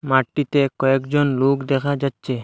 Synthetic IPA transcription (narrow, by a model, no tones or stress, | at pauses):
maʈːit̪ɛkɔɛkd͡ʒɔnlokd̪ɛkʰad͡ʒat̪ːt͡ʃʰe